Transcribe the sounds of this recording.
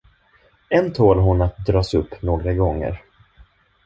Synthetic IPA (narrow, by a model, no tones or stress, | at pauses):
ɛnt̪ʰoːlɦʊnat̪̚d̪ɾɑːsɵpːnoːɡɾaɡɔŋːə̰ɾ